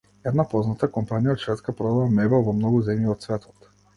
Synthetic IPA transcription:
ɛd̪napɔznat̪akɔmpanijaɔt̪ʃvɛt̪skapɾɔd̪alˠamɛbɛlˠvɔmnɔɡuzɛmjiɔt̪svɛt̪ʰɔ̥t̪

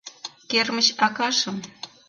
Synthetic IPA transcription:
kermə̆t͡ɕɑkɑʃə̆m

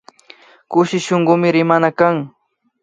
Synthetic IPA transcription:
kʊʃɪʃoɴɢʊmɪɾɪmanakaŋ

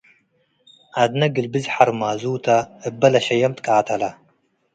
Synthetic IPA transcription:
ad̪nɐɡɨlbɨzħaɾmaːzuːt̪ʰɐɨbːɐlɐʃɐjɐmt̪ʼkʼaːt̪ʰɐlɐ

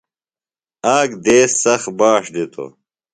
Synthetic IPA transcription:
aːɡd̪eːsːɐxbaːʂd̪it̪ʰo̰

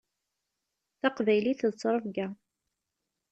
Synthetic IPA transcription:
θaqvæjliθðt͡sːɾˤəfɡæ

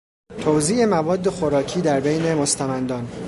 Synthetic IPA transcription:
t̪ʰowziːe̞mævɒːd̪ːe̞xo̞ɾɒːcʰiːd̪æɾbejne̞most̪ʰæmænd̪ɒːn

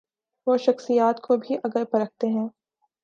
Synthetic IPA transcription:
ʋoʃɐxsijaːt̪kʰobʱiʔɐɡəɾpɐɾɐk̚ʰt̪eɦɛ̃ː

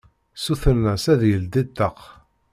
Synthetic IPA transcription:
suθənːæsæðjəld̪it̪ːəq

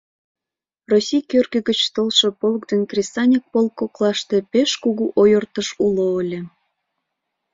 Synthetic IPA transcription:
rosʲijkørɣə̆ɣət͡ɕt̪olʃepolkd̪enkrʲesɑnʲik̚polkːoklɑʃt̪e̽peʃkuɣuʔojərt̪əʃuloəlʲĕ

